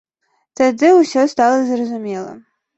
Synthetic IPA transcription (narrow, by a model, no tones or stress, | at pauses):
t̪ad̪ɨwsʲɔst̪alˠɐzrɐzumʲɛlˠɐ̰